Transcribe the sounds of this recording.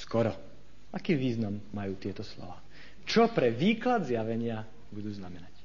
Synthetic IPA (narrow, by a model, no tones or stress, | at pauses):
skɔɾɔ | ʔakiːʋiːznamːajuːt̪ɪɛt̪ɔslɔ̰ʋaː | t͡ʃɔpɾɛʋiːklad̪zɪjaʋɛɲɪa | bud̪uːznamɛnac